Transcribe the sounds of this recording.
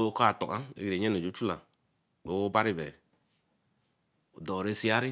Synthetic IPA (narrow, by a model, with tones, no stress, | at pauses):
ka˨tɔ˨ʔa˦ḛ˦ɡi˨ɾe˨ɲ˦e˦no˨d͡ʒo˨˦t͡ʃu˦la̰˨ | k͡po˨wo˦ba˦ɾi˦bɛ̰˨ | o˨dɔ˨ɾe˦si˦a˦ɾi˦